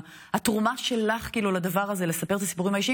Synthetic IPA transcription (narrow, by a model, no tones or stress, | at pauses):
hatʁumaʃe̞laχkiːlulad̪avaʁaze̞le̞sape̞t̪asi̥puʁimhaiʃi